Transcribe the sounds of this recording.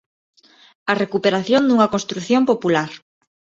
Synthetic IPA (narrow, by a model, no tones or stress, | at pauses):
ɐrekupeɾaθjond̪uŋɐkõnst̪ɾuθjompopulaɾ